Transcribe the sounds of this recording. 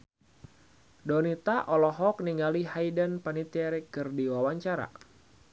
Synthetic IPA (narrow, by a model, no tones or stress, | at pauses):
dɔnit̪aʔɔlɔɦɔk̚niŋalihajdənpanit̪iaɾɛkɨrdiwawaɲt͡ʃaɾa̰